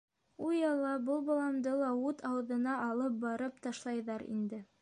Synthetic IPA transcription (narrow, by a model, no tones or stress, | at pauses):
ujɑlˠɑbɤlˠbɑlˠɑmd̪ɤlˠɑut̪ʰɑwɤ̆ðɤ̆nɑːlˠɤp̚bɑɾɤpt̪ɑʃlˠɑjðɑɾḭnd̪ɘ